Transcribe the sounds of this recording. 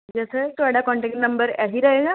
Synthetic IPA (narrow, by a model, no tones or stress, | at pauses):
d͡ʒɛset̪ʊaɽakɔ̃ɳʈek̚ʈnəmbəɾaɦiɾəɦeːɡaː